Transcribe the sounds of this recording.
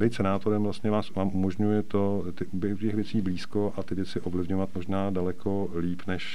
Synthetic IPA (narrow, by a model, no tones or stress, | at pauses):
bɪt̪sɛnaːt̪o̞ɾɛmvlast̪ɲɛvaːsaːmʔumoʒɲujɛt̪o̞ | t̪ɪʔubɛucɛxvjɛt͡siːbliːsko̞ʔat̪ɪvjɛt͡sɪʔo̞vlɪvɲovat̪mo̞ʒnaːdalɛkʰo̞ | liːpnɛʃ